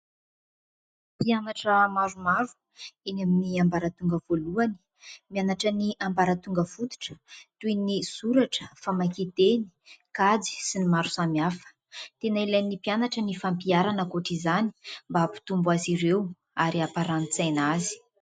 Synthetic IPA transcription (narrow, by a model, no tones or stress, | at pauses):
pianaʈ͡ʂəmaɾumavu̥ | enaminiambaɾət̪uŋɡəvoluani̥ | mianaʈ͡ʂəniʔambaɾət̪uŋɡəfut̪u̥ʈ͡ʂə̥t̪ujnisuɾaʈ͡ʂə̥famakit̪eni̥kad͡zi̥sinimaɾu̥samiafə̥ | t̪enailajnːipianaʈ͡ʂənifampiaɾanəkoʈ͡ʂizani̥mbapi̥t̪umbwaziɾew | aɾiapaɾanit͡sajnazi̥